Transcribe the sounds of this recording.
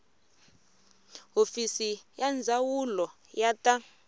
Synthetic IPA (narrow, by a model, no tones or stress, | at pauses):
ɦofisijand͡zʱawulɔ | jatʼa